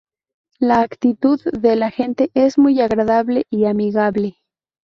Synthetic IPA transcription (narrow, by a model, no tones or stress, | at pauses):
laːkt̪it̪uðːelaxe̞nt̪e̞ʔe̞zmujaɣɾaðaβle̞ʔiamiɣaβle̞